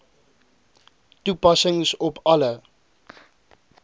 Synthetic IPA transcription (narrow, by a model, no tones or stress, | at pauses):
tupasɪ̃ŋsɔpalə